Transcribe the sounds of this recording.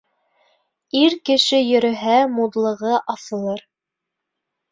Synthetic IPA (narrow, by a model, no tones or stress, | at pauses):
iɾkɘ̆ʃɘjɵ̆ɾɵ̆ɦæmud̪lˠɤ̆ʁɤʔɑθɤ̆lˠɤɾ